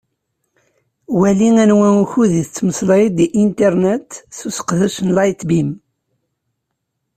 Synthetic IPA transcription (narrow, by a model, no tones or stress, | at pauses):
wæliŋænwænuçuðiθət͡sːməsˤlid̪iʔint̪eɾnet̪θusə̥qðæʃənlɑjt̪bim